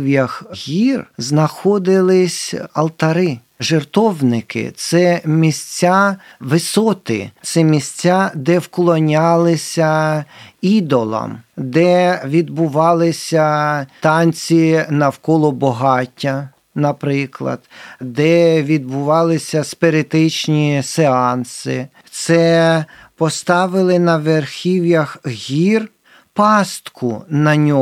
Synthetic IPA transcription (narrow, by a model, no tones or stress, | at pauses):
wjɐxɣʲirznɐxɔd̪ɪlˠɪsʲɐlˠt̪ɐɾɪ | ʒert̪ɔwnɪkɪ̰t̪sɛmʲisʲt͡sʲːaʋɪsɔt̪ɪ̰t̪sɛmʲisʲt͡sʲad̪ɛwklˠɔnʲɑlˠɪsʲɐ | id̪ɔlˠɐ̰md̪ɛʋʲid̪bʊʋɑlˠɪsʲɐt̪ɑnʲt͡sʲinɐwkɔlˠɔbɔɦɑtʲːɐ | nɐpɾɪklˠɐ̰d̪d̪ɛʋʲid̪̚bʊʋɑlˠɪsʲɐspeɾet̪ɪt͡ʃnʲiseɑnsɪ̰ | t̪sɛ | pɔst̪ɑʋɪlˠɪnɐʋerxʲiwjɐxɦʲir | pɑst̪kʰʊnɐnʲɔ